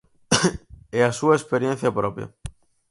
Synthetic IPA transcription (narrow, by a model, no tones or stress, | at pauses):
easuaespeɾjẽn̟θjapɾopja̰